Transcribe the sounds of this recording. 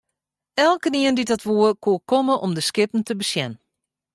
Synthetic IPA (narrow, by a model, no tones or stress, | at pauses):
ɛlˠkəniəndidɔtʋuəkʰuəkoməʔɔmdəskɪpən̩təbəsjɛn